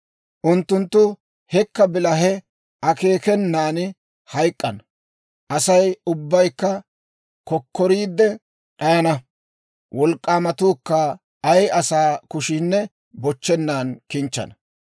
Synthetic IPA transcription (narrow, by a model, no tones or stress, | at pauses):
ʔʊnt̪ːʊnt̪ːʊ | hɛkːɐbɪlɐɦɛ | ʔɐke̞ːkɛnːaːn | hɐjkʼːɐnɐ | ʔɐsɐjʊbːɐjkːɐ | kɔkʰːɔɾiːd̪ːɛ | ᶑɐjɐnɐ | wɔlkʼːaːmɐt̪uːkːɐː | jɐsaːkʊʃiːnːɛ | bɔt͡ʃːɛnːaːnkɪnt͡ʃːɐ̰nɐ